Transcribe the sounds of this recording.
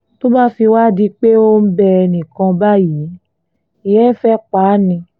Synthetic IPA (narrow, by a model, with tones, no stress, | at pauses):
to˦mã˦fi˧wa˦˨di˧k͡pe˦o˦m̩˦bɛ˧ɛ˧nĩ˨kã˧ba˦ji˨˦ | i˨jɛ˦fɛ˦k͡paː˨˦nĩ˧